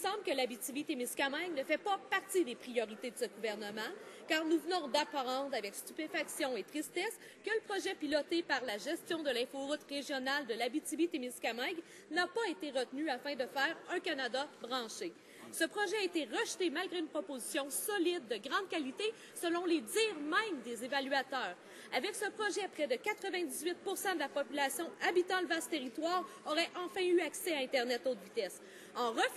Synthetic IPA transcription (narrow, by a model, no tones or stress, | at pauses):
sɑ̃blkəlabit̪ibit̪emɪskamaɡnəfɛpapaʁt̪id̪epʁijɔʁit̪ed̪əsəɡuvɛʁnəmɑ̃kaːʁnuvnɔ̃d̪apaʁɑ̃d̪ʁavɛkst̪ypefaksjɔ̃et̪ʁist̪ɛs | kələpχɔʒɛpilɔt̪epaʁlaʒɛst̪jɔ̃d̪əlɛ̃foʁʊt̪ʁeʒjɔnald̪əlabit̪ybit̪emɪskamaɡ | napaet̪eʁət̪nyafɛ̃d̪əfɛːʁœ̃kanad̪abʁɑ̃ʃe | səpχɔʒɛaet̪eʁəʃt̪emalɡʁeynpχɔpozisjɔ̃sɔlɪd̪̚ːəɡʁɑ̃d̪kʲalit̪e | səlɔ̃led͡z̪iːʁmɛ̃md̪ezevalyat̪œːʁ | avɛksəpχɔʒɛpχɛd̪əkʲat̪χəvɛ̃d̪izɥɪt̪̚puʁsɑ̃d̪əlapɔpylasjɔ̃abit̪ɑ̃ləvast̪ːeʁit̪waːʁɔʁɛʔɑ̃fɛ̃yaksɛaɛ̃t̪ɛʁnɛt̪ot̪vit̪ɛs | ɑ̃ʁə